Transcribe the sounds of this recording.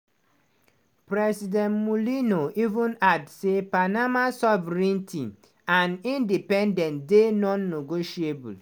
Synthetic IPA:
pɾɛsidɛ̃nmulinoʔivũnadsepanamasɔvɛɾĩntʰĩ | ãnĩndipɛ̃ndɛ̃ntdenɔ̃nːeɡoʃiebṵl

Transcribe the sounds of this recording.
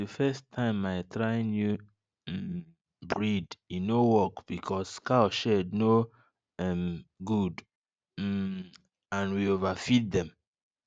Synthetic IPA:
əfɛstʰãɪ̃maɪtɹaɪĩnju | bɹidinːowɔkb̥ikʰɔsːkaʃɛdno | ɛmɡud̩ | ãnwiovafit̚dɛ̃m

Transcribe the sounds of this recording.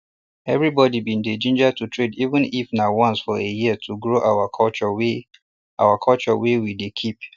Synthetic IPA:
ɛvɹibɔdibĩnded͡ʒĩnd͡ʒatʰutʰɹedivə̃nifnawãnsfɔejitʰuɡɹoʔawakʰɔlt͡ʃɔwe | ʔa̰wakʰɔlt͡ʃɔwewidekʰip̚

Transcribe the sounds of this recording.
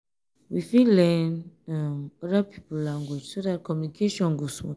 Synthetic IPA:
wifilɛ̃namɔdapʰi̥pulãŋɡud͡ʒsodat̚kʰɔmjunikʰeʃɔ̃nɡusmṵ̃

